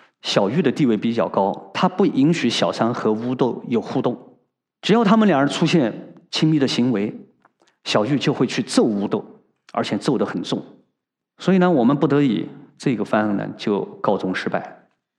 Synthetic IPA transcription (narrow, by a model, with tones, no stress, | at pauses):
ɕjɑ˨˩ʊy˥˩d̪ə˩t̪i˥˧we˥˩ɪpi˧˥t͡ɕjɑ˥˩ʊkɑ˥ʊt̪ʰa˥pu˥˩ʔi˧˥ŋɕy˧˥ɕjɑ˨˩ʊsa˥nxɤ˧˥u˥t̪o˥˩ʊjo˨˩ʊxu˥˧t̪ʊ˥˩ŋ | ʈ͡ʂɻ̩˨˩jɑ˥˩ʊt̪ʰa˥mə˨nljɑ˨˩ə˧˥ʈ͡ʂʰu˥ɕjɛ˥˩nt͡ɕʰi˥mi˥˩d̪ə˩ɕi˧˥ŋwe˧˥ɪ | ɕjɑ˨˩ʊy˥˧t͡ɕjo˥˧ʊxwe˥˧ɪt͡ɕʰy˥˧t͡so˥˩ʊu˧˥t̪o˥˩ʊ | ə̰˞˧˥t͡ɕʰjɛ˨˩t͡so˥˩ʊd̪ə˩xə˨˩nt͡sʊ˥˩ŋ | swɔ˧˥i˨˩nə˧wɔ˨˩mə˦npu˥˩t̪ɤ˧˥ḭ˨˩˦t͡sɤ˥˩i˥ɡə˩fa˥n˥˩nə̰˨˩t͡ɕjo˥˧ʊkɑ˥˩ʊt͡sʊ˥ŋʂɻ̩˥pa˥˩ɪ